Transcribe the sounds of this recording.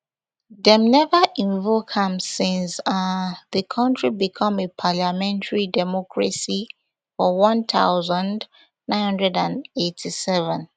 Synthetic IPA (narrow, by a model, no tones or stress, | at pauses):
dɛ̃mnɛvəʔĩɱvokhãmsɪ̃nsaðəkʰɔ̃ntʰɹibikʰɔ̃mepʰalamɛ̃ntʰaɹidɛmɔkʰɹa̰si | fɔwɔ̃nt̪a̰ʊzə̃nd | nãɪ̃nhʌ̃ndɹɛdãnetʰisɛvɛ̃n